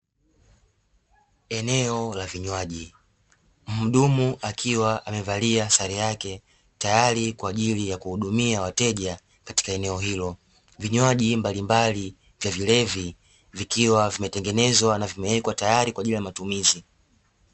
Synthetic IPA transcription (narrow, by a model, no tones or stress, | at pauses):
ɛnɛɔlaviɲwaʄi | m̩m̩ɗumuʔakʰiwaʔamɛvaliasaɾɛjakɛ | tajaɾikwaːʄilijakuhuɗumiawatɛʄa | kati̥kaɛnɛɔɦilɔ | viɲwaʄimbalimbali | vjavilɛvi | vikiwavimɛtɛŋɡɛnɛzwanavimɛɛkwatajaɾikwaːʄilijamatumizi